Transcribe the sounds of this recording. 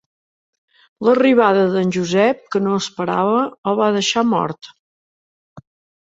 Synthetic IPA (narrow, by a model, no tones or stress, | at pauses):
ləriβ̞aðəðənʲʒuzɛp̚kənoəspəɾa̰βəəβaðəʃamɔ̰ɾt̪